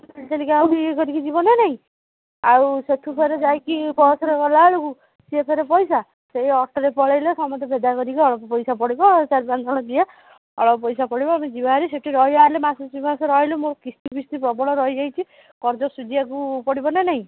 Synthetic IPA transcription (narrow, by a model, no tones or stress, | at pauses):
alt̪alikawikɔɾikid͡ʒibɔnenaɦĩ | awset̪ʰupʰeɾed͡ʒajkibɔsɔɾekɔlaɭuku | siepʰeɾepɔjsa | sejɔʈʰɔɾepɔɭejlesɔmɔt̪ebʱed̪akɔɾikiɔɭɔpɔpɔjsapɔɽibɔt͡ʃaɾpand͡ʒʰʱɔɽ̃ɔd̪ia | ɔ̰ɭpɔpɔjsapɔɽibɔamed͡ʒibaɾeseʈʰiɾɔɦjalemasɔsimasɔɾɔɦilumoɾɔkist̪ipist̪ipɾɔbɔɭ̃ɔɾɔɦjd͡ʒajt͡ʃʰi | kɔɾd͡ʒɔsud͡ʒ̪iakupɔɽibɔnenaɦĩ